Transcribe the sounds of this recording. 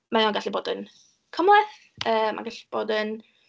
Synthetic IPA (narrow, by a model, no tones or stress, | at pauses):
maɪɔnɡaɬiboːdən | kʰəmwɛθ | əːmʔa̰ɡaɬb̥oːdən